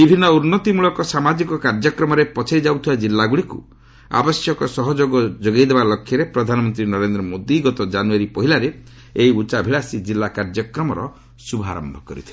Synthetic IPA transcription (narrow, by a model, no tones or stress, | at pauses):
bibʱinːɔuɾnːɔt̪imuɭɔkɔsamad͡ʒikɔkaɾd͡ʒɔkɾɔmɔɾepɔt͡ʃʰajd͡ʒawt̪ʰibad͡ʒilːaɡuɭikṵ | a̰bɔsjɔkɔsɔɦɔd͡ʒoɡɔd͡ʒoɡajd̪ebalɔkʰːjɔɾepɾɔd̪ʱanɔmɔnt̪ɾinɔɾend̪ɾɔmod̪iɡɔt̪ɔd͡ʒanuaɾipɔɦilaɾe | eiut͡ʃabʱiɭasid͡ʒilːakaɾd͡ʒɔkɾɔmɔɾɔ | subʱa̰ɾɔ̰mbʱɔkɔɾḭt̪ʰi̥le